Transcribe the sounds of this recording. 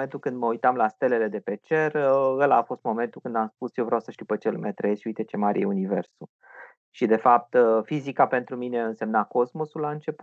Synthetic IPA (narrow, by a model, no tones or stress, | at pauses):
ent̪ukɨnd̪məujt̪amlast̪e̞lele̞d̪e̞pe̞t͡ʃe̞rəəlafo̞st̪mo̞me̞nt̪ukɨnd̪amspusjewvɾeawsə̥ʃt̪iwpət͡ʃelmet̪ɾəjesʃiujt̪e̞t͡ʃe̞maɾʲḛjeunive̞̰rsu | ʃid̪e̞fap̚t̪fizikape̞nt̪ɾumine̞ɨnse̞mnako̞zmo̞sulaɨnt͡ʃe̞pu